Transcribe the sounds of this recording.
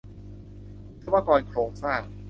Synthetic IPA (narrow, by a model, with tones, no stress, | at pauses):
tʰa˥˦waː˥˧˩kɔː˧nkʰɾoː˧ŋsaː˥˩ŋ